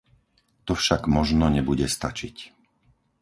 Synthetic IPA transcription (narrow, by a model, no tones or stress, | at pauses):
t̪ɔfʃaɡmɔʒnɔɲɛbuɟɛst̪at͡ʃic